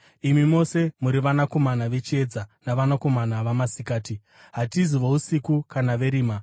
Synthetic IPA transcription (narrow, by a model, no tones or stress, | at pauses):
imimo̞se̞muɾiʋanako̞manaʋe̞t͡ʃie̞d͡zanaʋanako̞manaʋamasikaːti | ɦatiziʋousikukanaʋe̞ɾiːma